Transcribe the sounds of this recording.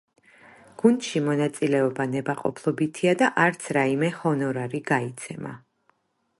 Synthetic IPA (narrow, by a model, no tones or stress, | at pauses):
ɡ̥und̪̥ʃimɔnat̪sʼilɛɔbanɛbaqʼɔ̰pʰlˠɔbit̪ʰiad̪aʔaɾt̪sʰɾaimɛhɔnɔɾaɾiɡait̪sʰɛma̰